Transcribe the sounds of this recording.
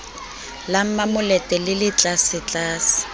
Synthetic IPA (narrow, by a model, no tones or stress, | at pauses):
lam̩mamʊlɛtʼɛlɪlɪt͡ɬʼasɪt͡ɬʼaːsɪ̥